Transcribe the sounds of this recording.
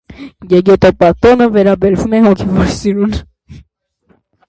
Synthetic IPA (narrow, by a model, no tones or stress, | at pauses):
jɛɡɛt̪ɔpɑt̪ɔnəvɛɾɑbɛɾvumɛhɔkʰɛvɔɾsiɾun